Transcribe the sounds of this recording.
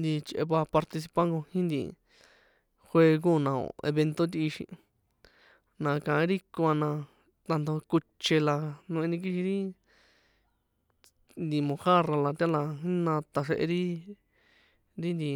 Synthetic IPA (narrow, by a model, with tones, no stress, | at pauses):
nd̪i˧t͡ʃʔḛ˧pa˧pa˧ɾt̪i˧s̬i˧pa˦ŋɡo˧hĩ˦nd̪ḭ˧˨ | xwe˧k̬ũ˦˨nã˨õ̰˨ḛ˧βe˧nt̪o˦t̪i˧i˧ʃḭ̃˧ | nã˨˧kã˨ẽ˦ɾi˦kõ˧a˧nã˧ | t̪a˧nd̪o˧ku˧t͡ʃe˧la˧nũ˧ẽ˧nĩ˧k̬i˦ʃĩ˧ɾi˦ | nd̪i˧mõ˧xa˦ra˧la˧t̪ʲa˦la˧ɦĩ˦nã˧t̪a˨ʂe˧ʔḛ˧ɾi˦ | ɾi˦nd̪i˨